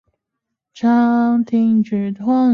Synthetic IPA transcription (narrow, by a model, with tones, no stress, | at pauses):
ʈ͡ʂʰɑ˥ŋt̪ʰi˧˥ŋʈ͡ʂ̩˨˩t̪ʰɔ˥˩ŋ